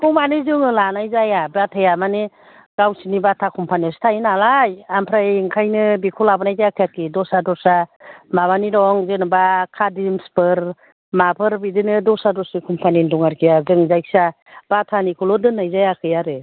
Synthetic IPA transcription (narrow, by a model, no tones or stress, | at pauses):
kɔmanɯzɯŋɯlanajzajabatʰajamani | ɡawsinibatʰakʰɔmpʰaniastʰajinalajampʰɾaiŋkʰajnɯbikʰɔlabɯnajtajakʰjakidɔsadɔsamaβaniɾɔŋzenbakʰadimspɯɾ | mapʰɯɾbidinɯdɔsadɔsikʰumpʰanindɔŋaɾkʰijazɯŋzajksa | b̥atʰanikʰulɔdɯnajzajakʰɯjaɾɯ